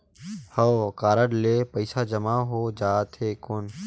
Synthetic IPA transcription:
həwkaːɾəɽleːpəɪsad͡ʒəmaɦod͡ʒaːt̪ʰeːkʊn

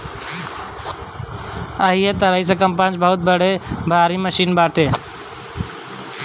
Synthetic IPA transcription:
əɦiːeːt̪əɾaːiːs̬eːkəmpãːnt͡ʃbəɦʊt̪̚bəɽ̤eːbʱaːɾiːməʃiːnbaːʈʰeː

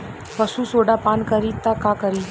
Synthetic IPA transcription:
pəsuːsoːɖapaːnkəɾiːt̪ːakakəɾiː

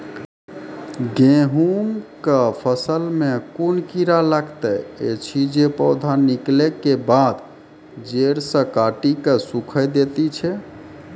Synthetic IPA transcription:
ɡẽɦumkəpʰəsəlmekunkiɾalaɡt̪əjḛt͡ʃʰid͡ʒepɔʊd̪ʱaniklekebad̪ | d͡ʒeɾsə̃kaʈikesukʰəjd̪et̪it͡ʃʰɛ

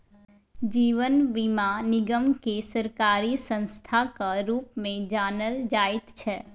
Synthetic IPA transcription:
d͡ʒiːʋənʋɪmãnɪɡəmkesəɾkaːɾisə̃nst̪ʰakaɾuːpmẽd͡ʒaːnəld͡ʒaːɪt̪t͡ʃʰɛː

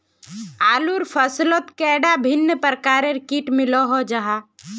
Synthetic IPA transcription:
aːluɾpʰəslot̪kɛːɖabʱɪnːəpəɾkaːɾeɾɪkiːʈmɪloɦod͡ʒaɦa

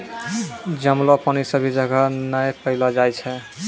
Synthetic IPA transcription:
d͡ʒəmlɔpanisəbʱid͡ʒəɡʱanəjpəɪlad͡ʒajt͡ʃʰɛ

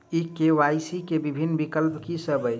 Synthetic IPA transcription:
ikeʋajsikebibʱinːbikəlpkisəbəj

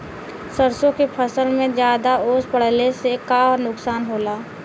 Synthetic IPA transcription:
səɾsõkepʰəsəlmẽd͡ʒjaːd̪aoːspəɽ̤lesekaːɔɾnʊksaːnɦoːlaː

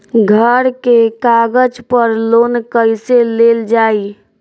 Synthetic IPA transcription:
ɡʱəɾkekaɡəd͡ʒpəɾloːnkəjseleld͡ʒaːi

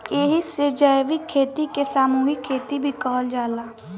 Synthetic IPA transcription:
eɦiseːd͡ʒaːjʋikʰːeːt̪ikesaːmuːɦikʰːeːt̪ibʱikɔːld͡ʒaːlaː

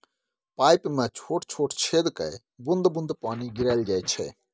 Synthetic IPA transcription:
paːjpmẽt͡ʃʰoːʈt͡ʃʰoːʈt͡ʃʰeːd̪kə̰ | bʊnd̪bʊnd̪paːniɡɪɾaɪld͡ʒaːjt͡ʃʰɛ̰

